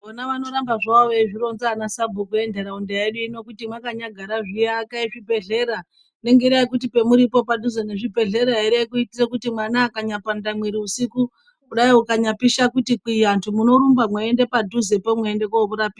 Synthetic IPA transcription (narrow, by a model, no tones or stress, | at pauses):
onaʋano̞ɾambaʐaʋaweʐiɾo̞nzaːnasabʱukue̞nde̞ɾaundaeɗuino̞kutimwakaɲaɡʱaɾaʐijeaːkaiʐibʱe̞ɮe̞ɾa | ne̞ŋɡe̞iɾaikutipe̞muɾipo̞padʱuzeneʐibʱe̞ɮe̞ɾaɦeɾekuitiɾekutimwanaːkaɲapandamwiɾiusiku | kuɗaiukaɲapiʃakutikwijantʰumuno̞ɾumbamwaendepadʱuze̞pomweende̞koβuɾapiːda